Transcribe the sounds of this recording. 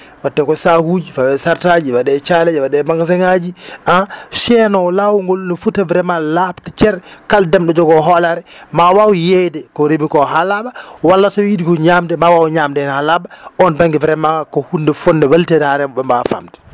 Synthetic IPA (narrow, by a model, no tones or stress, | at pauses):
watːɛkɔsahud͡ʒifawɛsaɾtad͡ʒiwadɛt͡ʃalɛd͡ʒɛwadɛmaŋɡas̬ɛŋad͡ʒiʔaʃɛnɔlawuŋɡɔlnɔfutːavɾɛmalaptat͡ʃɛɾkaldɛmɗɔd͡ʒɔɡɔɦɔlaɾɛmawawjejdɛkɔɾebikɔɦalabawalːatɔjidikɔɲamdɛmawawɲamdɛnhalabaɔnbaŋɡɛvɾɛmakɔhundɛfɔnːdɛwaltɛdhaɾɛmɔbɛmbafa̰mtɛ̥